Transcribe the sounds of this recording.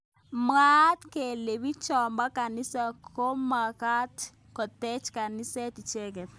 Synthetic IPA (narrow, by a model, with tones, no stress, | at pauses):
m˦a˦tke˨le˨bi˦t͡ʃɔ˨mba˦ka˨ni˦sa˨kʰo˦ma˨ka˦t | kɔ˨tɛ˦t͡ʃka˨ni˦sɛ˦ti˨t͡ʃɛ˦k̬ɛ˨